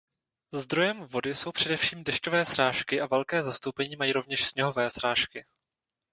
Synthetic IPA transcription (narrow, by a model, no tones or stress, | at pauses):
zd̪ɾo̞jɛmvo̞dɪso̞wpr̝̥ɛdɛfʃiːmdɛʃco̞vɛːsɾaːʃkɪʔavɛlkɛːzast̪owpɛɲiːmajiːɾo̞vɲɛʃsɲɛɦo̞vɛːsɾaːʃkɪ